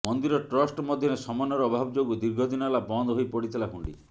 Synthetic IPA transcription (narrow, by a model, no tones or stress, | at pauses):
mɔnd̪iɾɔʈɾɔsʈmɔd̪ʱjɔɾesɔmɔnɔɾɔːbʱabd͡ʒoɡud̪iɾɡʱɔd̪inɔlabɔnd̪ɔɦojpɔɽit̪ʰilaɦuɳɖḭ